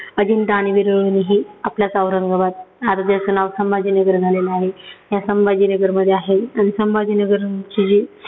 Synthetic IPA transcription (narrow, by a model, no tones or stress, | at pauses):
əd̪ʱinʈaɽ̃iʋiɾəɭniɦiːapljat͡səʋɾəŋɡəʋat̪̚aɾət̪jat͡sənaʋsəmbad͡ʑiːnəɡəɾd͡zʱaleləaɦejasəmbad͡ʑiːnəɡəɾməd̪ʱːjeaɦeaɽ̃isəmbad͡ʑinəɡəɾt͡ɕid͡ʑe